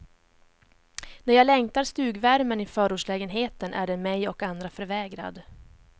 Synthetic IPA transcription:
næɾjaːlɛŋt̪aɾst̪ʉ̟ːɡvæɾmənɪfœːɾuːʂlɛːɡənɦeːt̪ənʔæ̰ɖɛnmɛjɔkand̪ɾafœɾvɛːɡɾa̰d̪

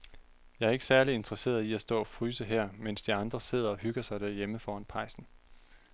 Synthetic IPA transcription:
jɑ̈æɐe̝ɡ̥ə̥sæɐlie̝nd̥ʁɐse̝̰ːɐðˠiæsd̥ɔ̰ːɒ̽fʁyːsəɦɛɐ̰men̰sd̥iɑ̈nd̥ʁɐse̝ð̞̰ˠɐɒ̽hyɡ̥ɐsɑ̈ɪd̥æɐjeməfɒːænpʰɑ̈ɪsn̩

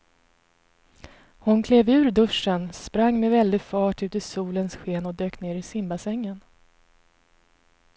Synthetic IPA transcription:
hʊnkʰleːvʉ̟ːɾd̪ɵʂənspɾaŋːmɛvɛld̪ɪfɑːʈʉ̟ːt̪ɪsuːlənsɧeːnɔd̪øːkneːɾɪsɪmbasɛŋːən

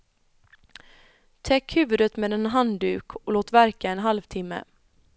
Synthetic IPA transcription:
t̪ʰɛkːhʉ̟ːvɵd̪ət̪meːd̪ɛnɦand̪ʉːkʰɔloːt̪væɾkaɛnɦalvt̪ʰɪmːə̰

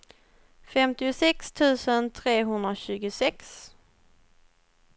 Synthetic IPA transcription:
fɛmt̪ɪʊsɛkst̪ʰʉ̟ːsənt̪ʰɾeːɦɵnd̪ɾaɕʉ̟ːɡʊsɛks

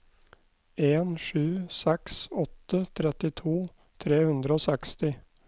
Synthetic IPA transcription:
eːnʂʉːsɛksɔt̪ːət̪ʰɾɛt̪ɪt̪ʰuː | t̪ʰɾeːhʉnd̪ɾəoːsɛkst̪ɪ

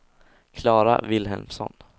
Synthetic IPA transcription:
kʰlɑːɾa̰vɪlɦɛlmsɔ̰n

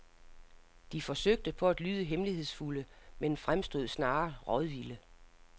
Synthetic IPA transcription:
d̥ifɒ̽søɡ̥̚d̥əpʰɒ̽æd̥lyːð̞ˠəɦemlihe̝ð̞̰ˠsfuləmenfʁamsd̥o̝ð̰ˠsnɑ̈ːʁɒðˠʋilə

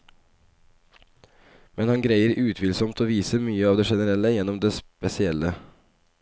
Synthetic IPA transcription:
mɛnhɑnɡɾæɪəɾʔʉːt̪ʰʋɪlsɔmt̪ʰoːʋiːsəmyːəɑːʋd̪eːʃɛnəɾɛləjɛnɔmd̪eːspɛsɪɛlə

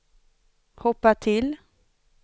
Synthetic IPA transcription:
hɔpːat̪ʰɪl

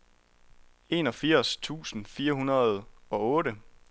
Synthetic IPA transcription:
e̝ːnɒ̽fiɐ̰st͡sʰṵːsn̩fiːɐɦunɐð̞ˠɒ̽ɔ̽ːɾə

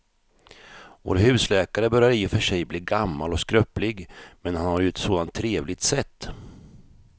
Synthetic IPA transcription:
vo̰ːɾɦʉ̟ːslɛːkaɾəbœɾjaɾɪːʊfœʂɛjbliːɡamːalɔskɾœplɪɡmɛnhanhaɾjɵɛt̪soːd̪ant̪ʰːɾeːvlɪɡ̚t̪sɛt̪ː

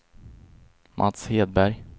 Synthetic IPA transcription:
mʔa̰t̪sheːd̪̚bæɾj

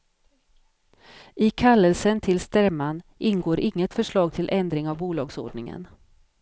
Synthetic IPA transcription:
ʔɪkʰalːəlsənt̪ʰɪlst̪æɾmanʔɪnɡoːɾʔɪŋːət̪fœʂɭɑːɡ̚t̪ʰɪlʔɛnd̪ɾɪŋavbuːlɑ̰ːɡso̰ːɖɳɪŋə̰n

